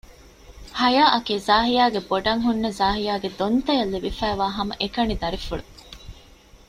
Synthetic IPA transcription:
hɐjaːʔɐkeːzaːɦijaːɡeboɖɐŋɦunːɐzaːɦijaːɡed̪ont̪ɐjɐlːiʋifæːʋaːɦɐmɐʔekɐnid̪ɐɾifuɭu

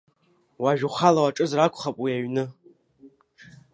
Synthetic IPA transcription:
waʒᶣuχalawaʈ͡ʂʼɨzrakʷʰʼχapʼwiaɥnɨ

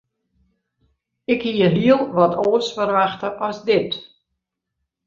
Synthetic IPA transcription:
ɪkhiəliəlˠʋɔtʰoːsfərʋaxtəʔɔzdɪt

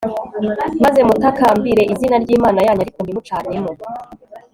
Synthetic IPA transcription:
maze̞mutakaːmbiɾe̞ʔizinaɾɟiːmaːnajaːɲaɾikonimut͡ʃaːnemŋo

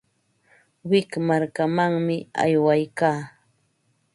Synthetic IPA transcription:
wɪkmaɾkamaŋmɪa̰jwajkaː

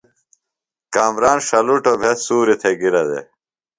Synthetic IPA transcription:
kaːmɾaːnʂɐluʈobʱet̪suːɾit̪ʰeɡiɾɐd̪ḛ

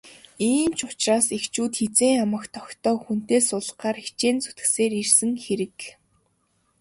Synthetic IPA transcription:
iːmt͡ɕʊ̥t͡ɕraːsixt͡ɕuːt̪xet͡seːŋamə̆kt̪ʰɔkt̪ɔːxun̥t̪eːsʊɮaːɾixt͡ɕeːnt͡su̥t̪ɡɘ̆seːɾirsɘ̆ŋxeɾɘ̆k

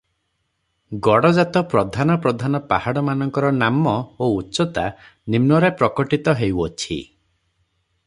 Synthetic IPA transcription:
ɡɔɽɔd͡ʒat̪ɔpɾɔd̪ʱanɔpɾɔd̪ʱanɔpahaɽɔmanɔŋkɔɾɔnamɔoutːt͡ʃɔt̪a | nimnɔɾepɾɔkɔʈit̪ɔɦewɔt͡ʃʰḭ

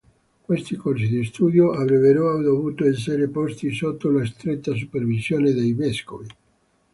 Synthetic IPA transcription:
kwest̪ikorsid̪ist̪uːd̪joʔavɾɛveɾoad̪ovuːt̪oes̬eɾepost̪isot̪ːolaes̬t̪ɾet̪ːas̬upervizjoːned̪ejveskovi

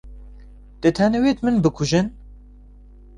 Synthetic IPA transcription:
d̪̥ɨt̪ʰæneweːt̪mɨnbɨkʰʊʒɨn

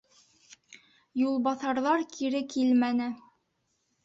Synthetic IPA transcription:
julˠbɑθɑɾðɑɾkʰiɾɘkʰilmænɘ

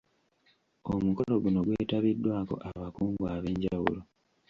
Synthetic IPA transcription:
omuko̞lo̞ɡuno̞ɡwe̞ːtaβidːwaːko̞̰ʔaβakuːŋɡwaːβe̞ːɲɟawṵlo

